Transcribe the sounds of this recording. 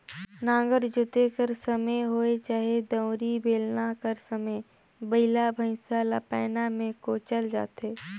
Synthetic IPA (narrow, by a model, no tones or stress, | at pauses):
nãːŋ̆ɡəɾd͡ʒʊt̪ekəɾsəməjɦoːet͡ʃaːɦed̪ə̃ʊ̃ɾibeːlnakəɾsəmə | bəɪlabʱə̃ɪ̃salapɛːnamẽkoːt͡ʃəld͡ʒa̰ːt̪eː